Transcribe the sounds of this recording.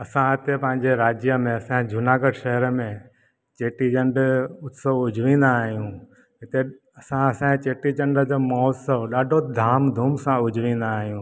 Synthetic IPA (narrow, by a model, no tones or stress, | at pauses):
ɐsãɦɪt̪epɐ̃ɦɪ̃ɲd͡ʑeɾaːd͡ʑjəmẽɐsãd͡ʑʱʊnaːɡəɖʃɐɦəɾəmẽ | t͡ɕeːʈid͡ʑɐ̃ɳɖʊt̪ʰsoʋʊd͡ʑʱʋĩːn̆d̪aːɦijũː | ɦɪt̪e | ɐsãɐsãt͡ɕeːʈid͡ʑɐ̃ɳɖəd͡ʑoːmɔːt̪səʋɗaːɖʱod̪ʱaːmd̪ʱuːmsãʊd͡ʑʱʋĩːn̆d̪aːɦijũː